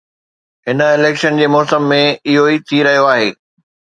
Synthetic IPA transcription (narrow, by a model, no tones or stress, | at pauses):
ɦɪnə̆ɪleːkʃənd͡ʑeːmɔːsəmːẽɪɦoit̪ʰiɾɐɦijoaːɦeː